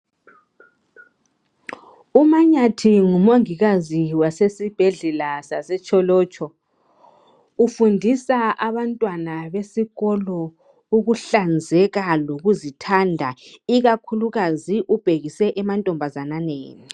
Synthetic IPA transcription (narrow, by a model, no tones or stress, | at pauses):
umaɲatʰiŋumoŋiɣaziwasesib̥ʱɛɮɛlasasɛt͡ʃʼʰɔlɔːt͡ʃʼʰɔ | ufundʱisaaβantʼwanaβesiɣɔlɔ | uɣuɬand͡zʱɛɣaloɣuzitʰandʱaiɣakʰuluɣaziʔub̥ʱeɣisɛʔɛmantʼɔmbʱazananḛːni